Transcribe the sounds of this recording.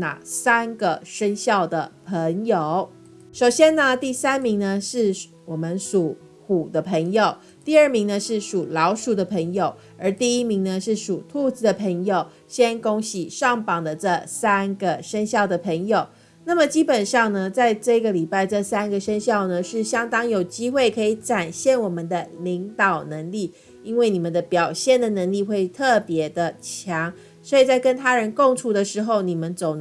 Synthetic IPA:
na̰˨˩sa˥nɡə˨ʂə˥nɕjɑ˥˩ʊd̪ə˩pʰə˧˥ŋjo˨˩ʊ | ʂo˨˩ʊɕjɛ˥nnə˨t̪i˥˩sa˥nmi˧˥ŋnə˧ʂɻ̩˥˩ | wɔ˨˩mə˦nʂu˨˩ | xu˨˩d̪ə˦pʰə˧˥ŋjo˨˩ʊ | t̪i˥˧ə˞˥˩mi˧˥ŋnə˧ʂɻ̩˥˩ʂu˨˩lɑ˧˥ʊʂu˨˩d̪ə˦pʰə˧˥ŋjo˨˩ʊ | ə˞˧˥t̪i˥˩i˦˥mi˧˥ŋnə˧ʂɻ̩˥˩ʂu˨˩t̪ʰu˥˧t͡sɹ̩˧˥d̪ə˨pʰə˧˥ŋjo˨ʊ | ɕjɛ˥nko˥ŋɕi˨˩ʂɑ˥˩ŋpɑ˨˩ŋd̪ə˦ʈ͡ʂə˥˩sa˥nɡə˨ʂə˥nɕjɑ˥˩ʊd̪ə˩pʰə˧˥ŋjo˨˩ʊ | na˥˩mə˩t͡ɕi˥pə˨˩nʂɑ˥˩ŋnə˩t͡sa˥˧ɪʈ͡ʂɤ˥˩i˧˥ɡə˨li˨˩pa˥˧ɪʈ͡ʂə˥˩sa˥nɡə˨ʂə˥nɕjɑ˥˩ʊnə˩ʂɻ̩˥˩ɕjɑ˥ŋt̪ɑ˥ŋjo˨˩ʊt͡ɕi˥xwe˥˩ɪkʰɤ˧˥i˨˧ʈ͡ʂa˨˩nɕjɛ˥˩nwɔ˨˩mə˨˦nd̪ə˧˩li˧˥ŋt̪ɑ˨˩ʊnə˧˥ŋli˥˩ | i˥nwe˥˩ɪni˨˩mə˨˦nd̪ə˧˦pjɑ˨˩ʊɕjɛ˥˩nd̪ə˩nə˧˥ŋli˥˧xwe˥˩ɪt̪ʰɤ˥˩pjɛ˧˦d̪ə˧t͡ɕʰjɑ˧˥ŋ | swɔ˧˥i˨˩t͡sa˥˩ɪkə˦˥nt̪ʰa˥ɻə˧˦nko˥˧ŋʈ͡ʂʰu˥d̪ə˨˧ʂɻ̩˧˥˦xo˥˧˩ʊni˨˩mə˦nt͡so˨˩ʊ

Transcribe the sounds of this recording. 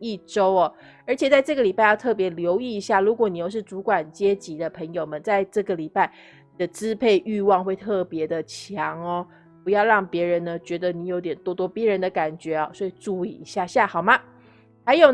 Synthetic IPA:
i˥˩ʈ͡ʂo˦˥ʊɔ˨˩ | ə˞˧˥t͡ɕʰjɛ˨˩t͡sa˥˧ɪʈ͡ʂɤ˥˩ɡə˩li˨˩pa˥˧ɪjɑ˥˧ʊt̪ʰɤ˥˩p̬jɛ˧˥ljo˧˥ʊi˥˩i˧˥ɕja˥˩lu˧˥kwɔ˨˩˦ni˨jo˥˧ʊʂ̬ɻ̩˥˩t͡su˧˥kwa˨˩nt͡ɕjɛ˥t͡ɕi˧˥d̪ə˧pʰə˧˥ŋjo˨ʊmə˦nt͡sa˥˧ɪʈ͡ʂɤ˥˩ɡə˨li˨˩pa˥˩ɪ | ni˨˩d̪ə˦t͡sɹ̩˦˥pʰe˥˧ɪʔy˥˧wɑ˥˧ŋxwe˥˧ɪt̪ʰɤ˥˩pjɛ˧˥d̪ə˨t͡ɕʰjɑ˧˦ŋɔ˨ | pu˧˥jɑ˥˧ʊɻɑ˥˩ŋpjɛ˧˥ɻə˧˦nːə˦t͡ɕɥɛ˧˥d̪ə˧ni˧˨˥jo˧˥ʊt̪̬jɛ˨˩nt̪wɔ˥t̪wɔ˥pjɛ˧˦˥ɻə˧˦nd̪ə˨ka˨˩nt͡ɕɥɛ˨˥ɔ˥˨swɔ˧˥i˨˩ʈ͡ʂu˥˧ḭ˥˧˩ɕja˥˧ɕja˥˩xɑ˨˩ʊma˦ | ha˧˥ɪjo˨˩ʊ

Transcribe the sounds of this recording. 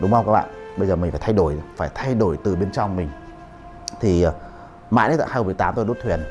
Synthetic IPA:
ɗʊ˨˦ŋ͡mha˧ŋ͡mkaː˦˥ɓa̰ː˧˨nɓə˧jzəː˨˩mi̟˨˩faː˧˩t̪ʰa˧jɗo˧˩jfaː˧˩jt̪ʰa˧jɗo˧˩jt̪ɨ˨˩ɓe˧nt͡ɕɔ˧wŋ͡mmï˨˩ŋ̟ | t̪ʰi˨˩˨ | ma̰ː˧˨jʔə̰˨˦la̰ː˧˩a˧jxmː˨˩ta˨˦mt̪o˧ɗo˦˥t̪̚ʰwi˨˩ən

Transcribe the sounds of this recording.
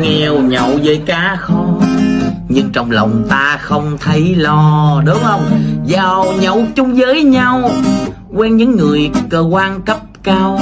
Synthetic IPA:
ŋɛ˧wɲə̰˧˨wzəː˨˦jkaː˨˦xɔ˨˦ | ɲɨ˧ŋt͡ɕɔ˧wŋ͡mlə˨˩wŋ͡mt̪aː˧xə˧wŋ͡mt̪ʰə˨˦jlɔ˧ɗʊ˨˦ŋ͡mhə˧wŋ͡mzaː˨˩wɲə˧˨wt͡ɕʊ˧ŋ͡mzəː˨˦jɲa˧w | kwɛ˧nɲɨ̰˧˥ŋːɨ˨˩əjkəː˧kwaː˧nkə˦˥p̚kaː˧w

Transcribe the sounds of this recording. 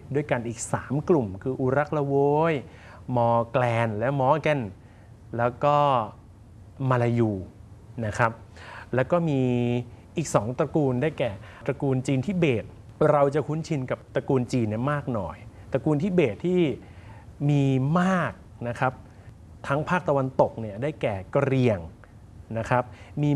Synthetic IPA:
du˥˩əjka˧nʔiː˨˩k̚saː˩˦mklu˨˩mkʰɯː˧ʔu˧ɾa˦˥k̚la˧woː˧˦j | mɔː˧klɛː˧nlɛː˦˥wmɔː˦˥kɛ˧˩n | lɛː˦˥wkɔː˥˩ | ma˧la˧juː˧na˦˥kʰɾa˦˥p̚lɛː˦˥wkɔː˥˩miː˧ʔiː˨˩k̚sɔː˩˦ŋt̪ɾa˧kuː˧ndaː˥˩jkɛː˨˩t̪ɾa˧kuː˧nt͡ɕiː˧nt̪ʰiː˥˩beː˨˩t̪̚ | ɾa˧wt͡ɕa˨˩kʰu˦˥nt͡ɕʰi˧nka˨˩p̚t̪ɾa˧kuː˧nt͡ɕiː˧nːi˥˩maː˥˩k̚nɔ̰ː˨˩jt̪ɾa˧kuː˧nt̪ʰiː˥˩beː˨˩t̪ʰːiː˥˩ | miː˧maː˥˩k̚ | na˦˥kʰɾa˦˥p̚ | t̪ʰa˦˥ŋpʰaː˥˩k̚t̪a˧wa˧nt̪o˨˩k̚ni˥˩ɐdaː˥˩jkɛː˨˩ka˧ɾi˧əŋ | na˦˥kʰɾa˦˥p̚miː˧

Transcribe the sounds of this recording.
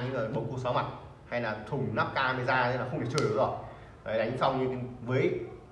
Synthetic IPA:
ɲɨ̰˧˥ŋəː˨˩mo˨˩t̚ku˧sɔ˨˦ma˨˩t̚ | ha˧jlaː˨˩t̪ʰʊ˨˩ŋ͡mnaː˦˥p̚kaː˧mə˨˦zaː˧˨˧laː˨˩xə˧wŋ͡mt̪ʰe˨˩t͡ɕɨː˨˧˩ɨ˨˦zɔ˨˩j | əː˨˩jɗa˨˦jŋ̟sa˧wɲɨ˧˨˦vəː˨˦j

